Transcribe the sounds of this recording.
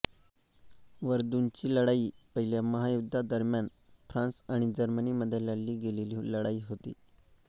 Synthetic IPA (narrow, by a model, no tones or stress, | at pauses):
ʋəɾd̪unt͡ɕiːləɽaiːpəɦiljaməɦajud̪ʱːad̪əɾmjan | fɾãnsaɽ̃id͡ʑəɾməniməd̪ʱːjeləlːiːɡeleliləɽaiːɦot̪ḭː